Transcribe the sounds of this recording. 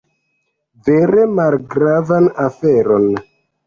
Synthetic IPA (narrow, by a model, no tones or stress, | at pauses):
veɾe̞malɡɾavanafeɾo̞n